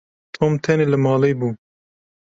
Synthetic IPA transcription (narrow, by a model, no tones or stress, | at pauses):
t̪ʰoːmt̪ʰɛneːlɨmɑːleːbuː